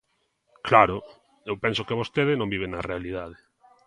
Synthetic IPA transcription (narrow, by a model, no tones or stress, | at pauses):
klaɾʊ | ewpɛnsʊkɪβost̪eðɪnõmbiβenɐrealiðað̞e